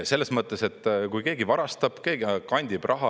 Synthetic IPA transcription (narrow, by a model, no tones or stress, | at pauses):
se̞lːe̞smɤt̪ːˑese̞t̪ːˑkujke̞ːɡivɑɾɑst̪ɑb̥ke̞ːɡikɑnʲd̪̥ʲib̥rʔɑɦɑ